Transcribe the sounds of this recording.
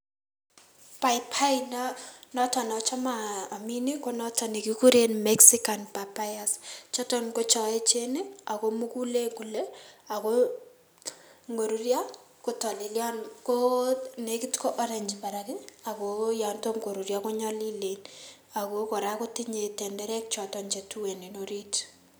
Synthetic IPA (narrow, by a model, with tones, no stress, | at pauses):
pa˨jpʰa˦innɔ˦tɔ˨nɔ˨t͡ʃa˦maː˨mi˦ni˦ko˦nɔ˦tʰa˨ni˨kiku˦ɾe˦nmɛksi˦ka˨npa˨pa˦ja˨st͡ʃɔ˦tɔ˦nko˦t͡ʃɔ˨e˦t͡ʃe˦ne˦a˨ko˦mu˦ku˦le˦ku˨le˦a˨ko | ŋɡo˨ɾu˦ɾja˦ | kotɔ˨li˨ljɔ˦nko˦neki˦tko˦ʔɔ˦ɾɛɲd͡ʒpa˨ɾake˦a˨koja˨nto˦ŋɡo˨ɾu˨ɾjako˦ɲɔli˦len | a˨koko˨ɾako˦ti˦ɲe˨tɛ˨ndɛɾɛ˦k̚t͡ʃɔ˨tɔɲt͡ʃe˨tu˦we˨ni˨noɾi˦t